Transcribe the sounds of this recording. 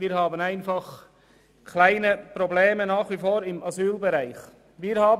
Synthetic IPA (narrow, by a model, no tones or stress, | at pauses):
viːɾhaːbənaɪnfaχ | kʰlaɪnəpʁobleːmənaːχvifoːɾɪmazyːlbəɾaɪx | viːɾhaːb